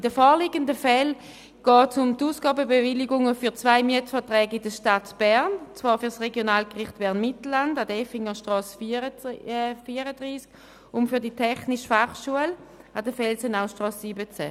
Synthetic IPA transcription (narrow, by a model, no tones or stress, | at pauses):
d̥əfɔːliɡəndəfɛl | ɡ̥ɔːtsʊmtuːsɡ̥ɑːbəbevɪliɡʊŋəfyɐt͡svaɪmiətfɐtʁɛːɡɪdəʃtatb̥ɛɐnt͡sv̥ɑːɐfyːɐsʁeɡjonaːlkʁɪχtb̥ɛɐnmɪtl̩landadɛfɪŋəʃtʁɑːs | fiːəʁədʁiːsk | ʊmfyːɐditʰɛχnɪʃfaχʃuəladəfɛlsənaʊʃtʁɑːssiːbət͡sɛ